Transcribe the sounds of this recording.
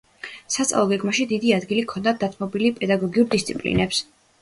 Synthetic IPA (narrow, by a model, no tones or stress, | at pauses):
sat̪sʼa̰lˠɔɡɛɡmaʃid̪id̪iad̪ɡilikʰɔnd̪ad̪at̪ʰmɔbilipʼɛd̪aɡɔɡiuɾd̪ist̪sʰipʼlḭnɛps